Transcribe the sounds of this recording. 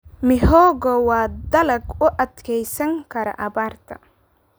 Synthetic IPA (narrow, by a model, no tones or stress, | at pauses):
mɪhɔːɡɔwɑːd̪ɐlɐɡʊʔɐd̪kʰɛjsɐŋkʰɐɾɐ̰ʔɐβaːrt̪ʰɐ